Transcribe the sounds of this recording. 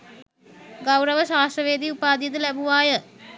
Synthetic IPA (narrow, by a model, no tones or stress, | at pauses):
ɡɐwɾəʋəʃaːsʈəʋeːd̪iupaːd̪ijət̪̬ulæbuʋaːjə